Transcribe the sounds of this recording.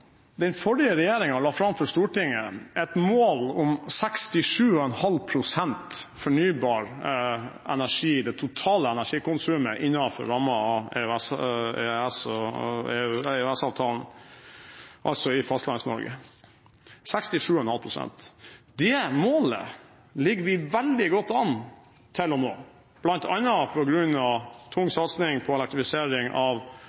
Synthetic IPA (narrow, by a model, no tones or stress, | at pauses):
d̪ɛnfɔɖɪəɾɛjeːɾɪŋɑlɑːfɾɑmfɔʂt̪uːʈɪŋːəɛt̪moːlɔmsɛkst̪ɪʂʉːɔɛnhɑlpʰɾʊsɛnt̪fɔɳyːbɑːɾ | ɛnæʂiːɪd̪ɛt̪ʰʊt̪ʰɑːləɛnæʂiːkʊnsʉːməʔɪnːɑfɔ̰ɾɾɑmɑɑɛ̰øɛseɛsɔ | øɛsɑːʋt̪ʰɑːln̩ | ʔɑlt̪sɔɪfɑst̪lɑnsnɔ̰ɾɡə̰ | sɛkst̪ɪʂʉːɔnhɑlpʰɾʊsɛ̰nt̪d̪ɛmoːlə̰ | lɪɡəʋɪʋɛld̪ɪɡɔt̪ːɑn | t̪ʰɪlɔnoː | b̥lɑnt̪ʰɑnːəpʰɔɡɾʉnːɑʋt̪ʰʊŋːsɑt̪snɪŋpʰɔɛlɛk̚t̪ɾɪfɪseːɾɪŋɑʋ